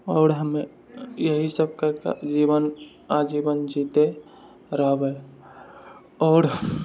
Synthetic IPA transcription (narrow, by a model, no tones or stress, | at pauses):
ɔːɾɦəmẽ | jəɦisəb̚kaka̰d͡ʒiːʋən | ad͡ʒibənd͡ʒit̪e | ɾəɦbe | ɔːɾ